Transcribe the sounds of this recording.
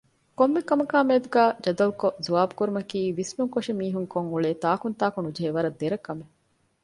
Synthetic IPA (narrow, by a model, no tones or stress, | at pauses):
komːekɐmɐkaːmeːd̪uɡæːd͡ʒɐd̪ɐlkozuʋaːbukuɾumɐkiːʋismuŋkoʂimiːɦuŋkoŋuɭeːt̪aːkunt̪aːkunud͡ʒɐɦeʋɐɾɐd̪eɾɐkɐme